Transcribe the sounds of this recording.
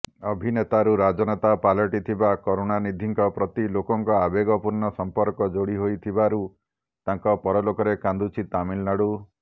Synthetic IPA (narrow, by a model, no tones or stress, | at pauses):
ɔbʱinet̪aɾuɾad͡ʒɔnɔt̪apalɔʈit̪ʰibakɔɾonanid̪ʱiŋkɔpɾɔt̪ilokɔŋkɔabeɡɔpuɾnɔsɔmpɔɾkɔd͡ʒoɽiɦojt̪ʰibaɾu | t̪ãŋkɔpɔɾɔlokɔɾekãnd̪ut͡ʃʰit̪amilnaɽu